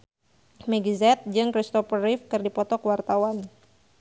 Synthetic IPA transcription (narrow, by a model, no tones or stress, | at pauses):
mɛɡizɛt̪̚d͡ʒɨŋkɾist̪ɔfəɾifkɨrdipɔt̪ɔkwart̪awan